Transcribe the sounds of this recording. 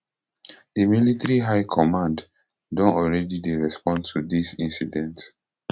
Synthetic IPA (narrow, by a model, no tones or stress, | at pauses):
demilitɹiɦaɪkʰɔmãnd | dɔ̃nɔlɹɛdideɹɛspɔ̃ntʰudisĩnsidɛ̃nt